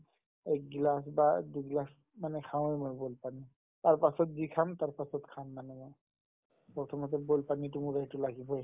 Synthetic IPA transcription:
ɛk̚ɡilasbaduɡlas | manɛkʰaw̃jmɔjbolpani | taɹpasɔt̚zikʰamtaɹpasɔtkʰamːanɛmɔj | pɔɹtʰɔmɔt̬ɛbolpanitʊmuɡajtʊlaɡibɔj

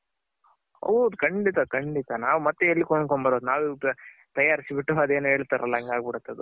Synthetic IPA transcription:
o̰d̪ukʰɐɳɖit̪akɐɳɖit̪ɐnaːʋumɐt̪ːeɐlːikoɳɖkoɳbɐɾoːd̪unaːʋt̪ɐjːaːɾisibiʈːɐʋaːd̪eːnuɦe̞ːɭt̪aɾɐlːɐɐŋɡaːɡ̚biɽut̪ːɐd̪u

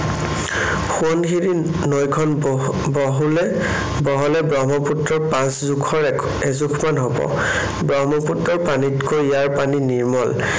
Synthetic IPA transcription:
xuɔnxiɹi | nɔjkʰɔn | bɔɦulɛ | bɔɦɔlɛbɹɔmɔputɹɔɹpãszukʰɔɹɛ | ɛzukʰmanɦobɔ̰ | bɹɔɦmɔputɹɔɹpanitkojjaɹpaniniɹmɔl

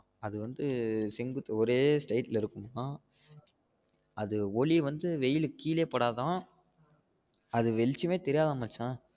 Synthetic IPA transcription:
ɐðɯʋɐnd̪ɯsɛŋɡɯt̪ːɯɔɾeːsʈɐɪʈːlɪɾɯkːɯmnãː | ɐðɯɔɭiʋɐnd̪ɯʋɛjɪlɯkːiːleːpːɐɽaːt̪ãː | ɐðɯʋɛlɪt͡ʃːɯmeːt̪ɛɾɪjaːðaːmɐːt͡ʃːãː

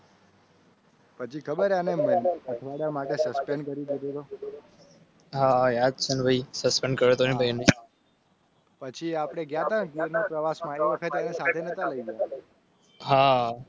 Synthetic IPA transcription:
pət͡ʃʰikʰəbəɾanemət̪ʰʋaɽjamaʈesəspeɳɖkəɾid̪id̪ʱot̪o | ɦajad̪̚t͡ʃʰənbʱaisəspeɳɖkəɾet̪onĩbʱainə | pət͡ʃʰiapɽ̃eɡjat̪aɡiɾnõpɾəʋasmãeʋəkʰət̪anesad̪ʱenət̪aləiɡəja | ɦa

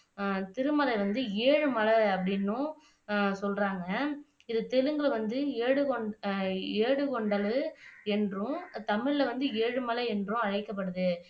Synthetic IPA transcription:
t̪ɪɾɯmɐlɐʋɐnd̪ɯeːɻɯmɐlɐɐpːɐɽɪnːʊ̃ | sɔlraːŋɡɐ | ɪðɯt̪ɛlɯŋɡɐlʋɐnd̪ɯeːɽɯkɔɳ | eːɽɯkɔɳɖɐlɯɛndrʊ̃t̪ɐmɪɻlɐʋɐnd̪ɯeːɻɯmɐlɐɛndrʊ̃ɐɻɐɪkːɐp̬ːɐɽɯðɯ

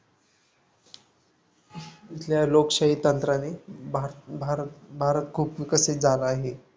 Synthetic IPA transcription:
it̪ʰljalokɕaɦit̪ːənt̪ɾane | bʱabʱaɾət̪̚kʰuːpʋikəsit̪̚d͡zaləaɦe

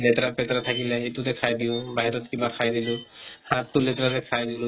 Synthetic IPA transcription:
lɛtɾapɛtɾat̪ʰakilɛejtutɛkʰajdiʊ̃baɦiɾɔtkibakʰajdilʊhãtːulɛtɾatɛkʰajdilu

